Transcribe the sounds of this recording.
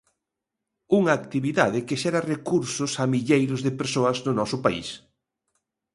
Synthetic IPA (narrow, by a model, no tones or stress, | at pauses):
uŋaːkt̪iβiðaðɪkeʃɛɾɐrekuɾsʊsamiʎejɾʊzðɪpeɾsoɐznʊnɔsʊpaḭs